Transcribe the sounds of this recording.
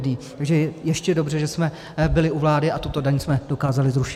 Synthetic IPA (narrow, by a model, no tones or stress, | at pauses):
dɲiːt̪aɡʒɛjɛʃcɛdo̞br̝ɛʒɛsmɛ | bɪlɪuvlaːdɪʔat̪ut̪o̞daɲsmɛd̥o̞kaːzalɪzɾuʃɪ